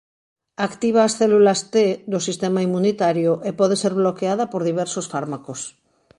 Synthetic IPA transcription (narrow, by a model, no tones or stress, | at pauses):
akt̪iβ̞aːsθelulast̪ed̪osist̪emaimːunit̪aɾjoʔepɔð̞eseɾβlokeað̞apoɾðiβ̞ɛɾsosfaɾmakos